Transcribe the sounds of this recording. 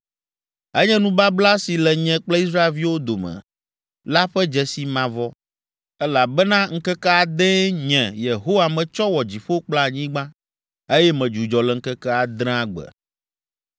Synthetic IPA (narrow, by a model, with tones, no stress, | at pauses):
ɛ˦ɲɛ̃˦nũ˦ba˦bla˦si˨lɛ˨ɲɛ̃˦k͡plɛ˦i˦s̬ɾa˦e˨lvi˦wo˦d̪o˨mɛ̰̃˨ | la˦ɸɛ˦d͡ʒɛ˨si˨mã˨vɔ˦ | ɛ˦la˨bɛ˦nã˦ŋ̩˦kɛ˦kɛ˦a˨d̪ɛ̃˦ɲɛ̃˨je˨ɦo˦wa˨mɛ̃˨t͡ʃɔ˦wɔ˨d͡ʑi˨ɸo˦k͡pla˦˨ɲĩ˦ɡ͡bã˦ | e˦jɛ˦mɛ̃˨d͡ʒu˨d͡ʒɔ˨lɛ˨ŋ̩˦kɛ˦kɛ˦a˨d̪ɾ̃a˦ɡ͡bɛ̰˨